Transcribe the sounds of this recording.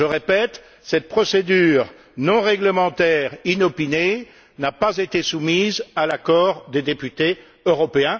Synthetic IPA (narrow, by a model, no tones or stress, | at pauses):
ʒəʁepɛt̪ | sɛt̪̚pχɔsed̪yːʁ | nɔ̃ʁɛɡləmɑ̃t̪ɛʁinɔpine | napazet̪esumizalakɔʁd̪ed̪epyt̪e | øʁɔpeɛ̃